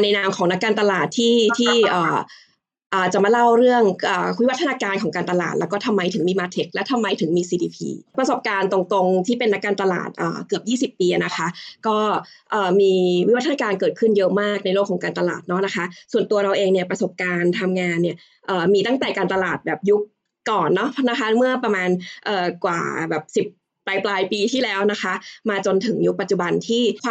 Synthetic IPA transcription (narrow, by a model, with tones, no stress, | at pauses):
naː˧na˧mkʰɔː˩˦ŋna˦˥kːaː˧nt̪a˧laː˨˩t̪ʰːiː˥˩t̪ʰiː˥˩ʔəː˨˩ | ʔaː˨˩t͡ɕa˨˩ma˧la˥˩wɾɯ˥˩əŋʔaː˨˩kʰu˦˥wa˥t̪ʰːa˧naː˧kaː˧nkʰɔː˩˦ŋkaː˧nt̪a˧la̰ː˨˩t̪̚lɛ˦˥kɔː˥˩t̪ʰa˧mːa˧jt̪ʰɯ˩˦miː˧maː˧t̪ʰe˦˥k̚lɛ˦˥wt̪ʰa˧mːa˧jt̪ʰɯ˨˩˦ŋmiː˧siː˧diː˧pʰḭː˧pɾa˧so˨˩p̚kaː˧nt̪o˧ŋt̪o˧ŋt̪ʰiː˥˩pe˧nːa˦˥kːaː˧nt̪a˧la̰ː˨˩t̪̚ʔə̰ː˨˩kɯ˨˩əp̚jiː˥˩si˨˩p̚ːiː˧ʔa˩na˦˥kʰa˦˥ʔkɔː˥˩ | ʔɤː˨˩miː˧wi˥˩wa˦t̪ʰːna˧kaː˧nkɤː˨˩t̪̚kʰɯ˥˩njɤ˦˥ʔmaː˥˩k̚na˧jloː˥˩kʰːɔː˩˦ŋkaː˧nt̪a˧la̰ː˨˩t̪̚nɔ˦˥na˦˥kʰa˦˥ʔsu˨˩ənt̪u˧ɐɾa˧wʔeː˧ŋni˥˩ɐpɾa˧so˨˩p̚kaː˧nt̪ʰa˧mŋaː˧nːi˥˩ɐ | ʔɤː˨˩miː˧t̪a˥˩ŋt̪ɛː˨˩kaː˧nt̪a˧laː˨˩t̪̚bɛː˨˩p̚ju˦˥k̚ː | ɔː˨˩nːɔ˦˥pʰna˦˥kʰa˦˥nmɯ˥˩ɐpɾa˧maː˧nʔɤː˨˩kwa̰ː˨˩bɛː˨˩p̚si˨˩p̚ːlaː˧jplaː˧jpiː˧t̪ʰiː˥˩lɛː˦˥wna˦˥xʰa˦˥ʔmaː˧t͡ɕo˧nt̪ʰɯ˩˦ŋju˦˥k̚pa˨˩t͡ɕu˨˩ba˧nt̪ʰiː˥˩kʰː